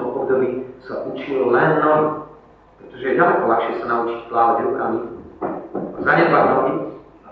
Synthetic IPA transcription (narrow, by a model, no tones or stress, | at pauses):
ɔmʔɔbd̪ɔbiːsaʔut͡ʃillɛnːɔ | pɾɛt̪ɔʒɛjɛɟalɛkɔlaxʃɪɛsanaut͡ʃicplaːʋaɟɾukami | azaɲɛd̪ladaɔɲit͡s